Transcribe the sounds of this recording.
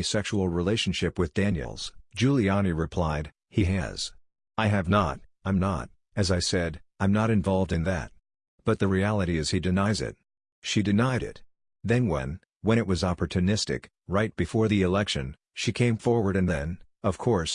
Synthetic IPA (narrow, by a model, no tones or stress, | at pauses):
isɛkʃul̩ˠɹileɪʃn̩ʃɪpwɨðdæ̃njɨ̰lˠz̥d͡ʒʉlˠiɑñiɹɨpʰl̥aɪd̥̚ | hiɨ̰z̥ | aɪɨvnə̰ɾtãɪ̃mnə̰ɾ | ɨzaɪsɛɾãɪ̃mnəɾɨ̃ɱvɑlˠvdɨ̃nðɨ̰t̚ | b̥ʌt̪̚ðɨɹiælˠəɾiɨz̥idɨnaɪzɪ̰t̚ | ʃidɨnaɪɾɪ̰t̚ | ðɨ̃nwɛ̰̃n | wə̃ɾ̃ɨt̚wʌzɑpə˞tʰɨnɪstɨ̰k | ɹaɪt̚b̥ɨfɔɹðiɨlɛkʃɨ̃n | ʃikʰẽɪ̃ɱfɔɹwə˞ɾɨ̃nðɨ̃n | ʌv̥kʰɔɹs